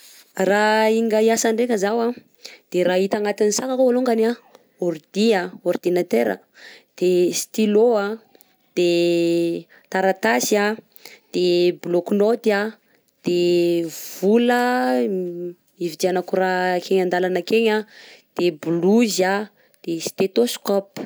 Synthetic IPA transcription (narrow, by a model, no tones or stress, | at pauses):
raiŋɡaiasaɳɖ͡ʐekəzawa | d̪̥eɾait̪aŋat̪inisakakoaloŋɡana | oɾd̪iaord̪inat̪eɾə̰ | d̪̥est̪iloa | d̪̥e | t̪aɾat̪asia | d̪̥ebloknot̪ia | d̪̥e | vulə | ivid͡ʒ̪ianakuɾakʰeŋand̪alanakeɲad̪̥ebluza | d̪̥est̪et̪oskɔp